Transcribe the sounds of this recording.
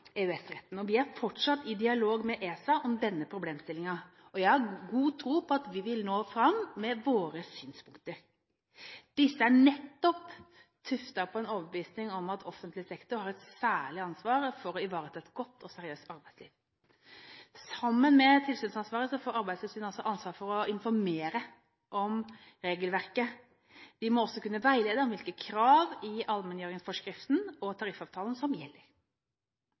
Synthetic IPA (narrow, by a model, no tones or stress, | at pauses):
ɛʉɛsɾɛt̪ːn̩ɔʋɪæɾfɔʈʂɑt̪ːɪd̪ɪɑloːɡmɛʔeːsɑʔɔmd̪ɛnːəpʰɾʊbleːmst̪ɪlɪŋɑɔjæɪhɑɾɡuːt̪ʰɾuːpʰɔɑt̪ʋɪʋɪlnoːfɾɑmːɛʋoːɾəsyːnspʰʊŋkt̪əɾ | d̪̥ɪsːəæɳɛt̪ːɔp | t̪ʰʉft̪ɑpʰɔɛnoːʋəbəʋiːsnɪŋɔmɑt̪ʰɔfənt̪lɪsɛkt̪ʊɾhɑːɾɛt̪sæːɭɪɑnsʋɑːɾəfɔɾɔɪʋɑːɾət̪ʰɛɛt̪ɡɔt̪ʰːɔsɛɾɪøːst̪ɑɾbæɪslḭːʋ | sɑmːənmɛt̪ʰɪlsyːnsɑnsʋɑːɾəsɔfoːɾɑɾbæɪd̪sliːʋslyːnɔlsɔʔɑnsʋɑːɾfɔɾɔɪnfɔɾmeːɾə | ʔɔm | ɾeːɡəlʋæʁkə | d̪̥ɪmɔɔsːɔkʉnːəʋæɪleːd̪əɔmʋɪlkəkʰɾɑːʋɪɑlmɛnjøːɾɪŋsfɔʂkɾɪft̪n̩ɔt̪ʰɑɾɪfɑːʋt̪ʰɑːln̩sɔmjɛlːəɾ